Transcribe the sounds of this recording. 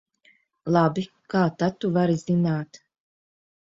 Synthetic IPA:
lˠabi | kaːt̪at̪ːuvaɾizinaːt̪

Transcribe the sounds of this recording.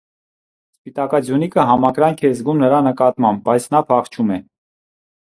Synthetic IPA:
spit̪ɑkɑd͡zjunikʰəɦɑmɑkɾɑŋkʰɛzɡumnəɾɑnəkɑt̪mɑmb̚bɑjt͡sʰnɑpʰɑχt͡ʃʰumɛ

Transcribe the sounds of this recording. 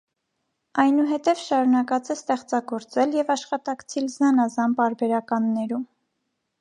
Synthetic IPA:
ɑjnuɦɛt̪ɛvʃɑɾunɑkɑt͡sɛst̪ɛχt͡sɑɡɔɾt͡sɛljɛvɑʃχɑt̪ɑkt͡sʰilznɑnɑzɑnpɑɾbɛɾɑkɑnːɛɾum

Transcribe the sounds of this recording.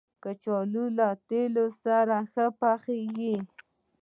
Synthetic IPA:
kət͡ʃɔlulat̪elosaɾaxəpaxeɡi

